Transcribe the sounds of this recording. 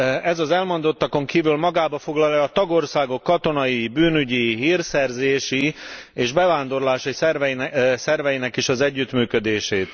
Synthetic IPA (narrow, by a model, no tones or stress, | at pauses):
ɛzɒzɛlmo̞nd̪o̞t̪ːɒko̞ŋkiːvylmɒɡaːbɒfo̞ɡlɒlɛɒt̪ɒɡo̞rsaːɡo̞kːɒt̪o̞nɒjibyːnyɟiɦiːrsɛrzeːʃieːʒbɛvaːnd̪o̞rlaːʃɒjisrsɛrvɛjinɛkiʃɒzɛɟːyt̪myːkød̪eːʃeːt̪